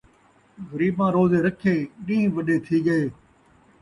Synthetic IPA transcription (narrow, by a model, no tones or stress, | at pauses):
ɣəɾiːbmãːɾoːzeːɾəkʰeːɗĩĩːʋəɗeːt̪ʰiːɠəeː